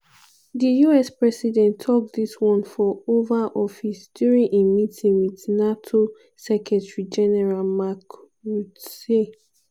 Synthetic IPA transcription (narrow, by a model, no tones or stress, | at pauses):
dijuɛspɹɛsidɛ̃ntʰːɔk̚d̪iswɔ̃nfɔovaʔɔfisd̥juɹĩŋʔemitʰĩŋwitnatʰo | sɛkʰɛtɹid͡ʒɛnɛɹalmak | ɹuse